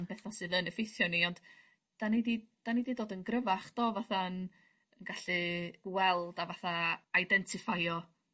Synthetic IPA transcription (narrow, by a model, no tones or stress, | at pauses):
nbɛθasɨlˠənɛfejθjɔniɔnd̥ | d̥anidid̥anididoːdənɡrəvaχd̥ɔːvaθan | ənɡaɬiɡwɛlˠdavaθaajdɛntʰɪfajɔ